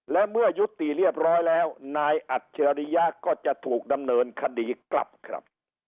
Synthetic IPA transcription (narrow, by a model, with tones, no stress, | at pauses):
lɛ˦˥mɯ˥˩əju˦˥t̪ːi˨˩li˥˩əp̚ɾɔː˦˥jlɛː˦˥wnaː˧jʔa˨˩t̪̚t͡ɕʰa˧a˧ɾi˦˧˥ja˦˥kɔː˥˩t͡ɕa˨˩ʔt̪ʰuː˨˩k̚da˧mnɤː˧nkʰa˧diː˧kla̰˨˩p̚kʰɾa̰˦˥p̚